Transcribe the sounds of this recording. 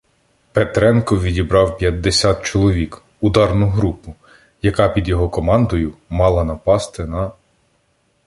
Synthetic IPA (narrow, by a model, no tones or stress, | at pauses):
pet̪ɾɛnkɔʋʲidʲibɾɑwpʲjɐd̪ːesʲat̪̚t͡ʃɔlˠɔʋʲik | ud̪ɑrnʊɦɾupʊ | jɐkɑpʲid̪jɔɦɔkɔmɑnd̪ɔjʊmɑlˠɐnɐpɑst̪ɪnɐ